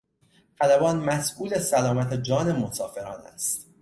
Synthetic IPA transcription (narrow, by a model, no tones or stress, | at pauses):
xælæbɒːnmæsʔuːlesælɒːmæt̪ʰed͡ʒɒːne̞mo̞sɒːfe̞ɾɒːnæ̰st̪